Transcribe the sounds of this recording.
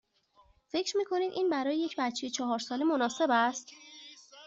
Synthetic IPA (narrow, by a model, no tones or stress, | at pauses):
fe̞cʰɾmiːkʰo̞niːd̪ʔiːnbæɾɒːjeje̞cʰbæt̪t͡ʃe̞jet͡ʃʰɒːɦɒːɾsɒːlemonɒːse̞bæst̪